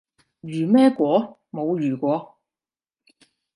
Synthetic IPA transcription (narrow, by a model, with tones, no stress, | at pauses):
jyː˨˩mɛː˥kʷɔː˨˥ | mo˨˧wɥyː˨˩kʷɔː˨˧